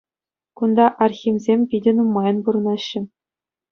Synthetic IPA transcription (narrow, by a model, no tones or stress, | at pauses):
kund̪ɑʔɑrxʲimzʲemʲpʲidʲɘ̆numːɑjɤ̆npuɾɤ̆nɑɕːɘ̆